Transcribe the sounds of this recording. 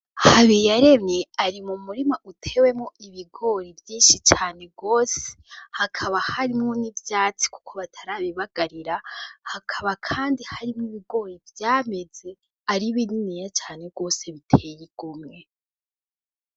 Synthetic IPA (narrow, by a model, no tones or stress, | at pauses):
haβijaɾe̞mɲeaɾimumuɾimaʔutʰe̞ːwe̞moiβiɡo̞ːɾivjiːnʃit͡ʃaːne̞ɡo̞ːse̥ | hakʰaβahaɾimŋonivjaːt͡si̥ku̥kʰo̞βatʰaɾaβiβaɡ̥aɾiɾahakʰaβakʰaːndihaɾimŋiβiɡo̞ːɾivjaːme̞ze̞ | aɾiβininijat͡ʃaːne̞ɡo̞ːse̞βitʰe̞jiɡ̥umŋe̞